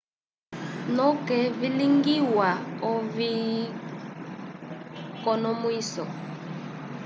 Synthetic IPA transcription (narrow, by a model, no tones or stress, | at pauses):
nɔkɛviliŋɡiwaɔvi | kɔnɔmwiːsɔ